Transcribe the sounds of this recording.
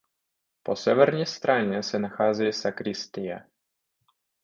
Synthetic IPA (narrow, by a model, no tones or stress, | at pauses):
pɔsʲɛvɛɾɲɛst̪ɾaɲɛsɛnaxaːzɛjɛsakɾist̪ɪja